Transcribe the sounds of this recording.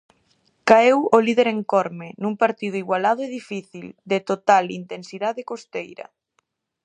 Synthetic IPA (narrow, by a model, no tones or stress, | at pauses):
kaewolið̞eɾeŋkɔɾmenũŋpaɾt̪ið̞ʊiɣwalað̞ʊeðifiθild̪et̪ot̪alḭnt̪ensiðaðekost̪ejɾɐ̰